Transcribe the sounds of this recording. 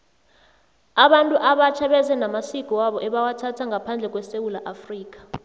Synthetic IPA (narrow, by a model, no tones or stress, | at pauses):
aɓantʼuʔaɓat͡ʃʰaɓɛzɛnamasiɡ̥ʱɔwaɓɔʔɛɓawatʰatʰaŋɡʱapʰand͡ɮʱɛk̬ʼwɛsewulaʔafriːk̬ʼḁ